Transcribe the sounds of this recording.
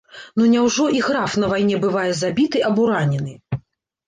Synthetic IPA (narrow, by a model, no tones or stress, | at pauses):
nunʲɛwʐɔiɣɾafnɐvajnʲɛbɨvajɛzabʲit̪ɨʔɐbɔɾanʲɛnɨ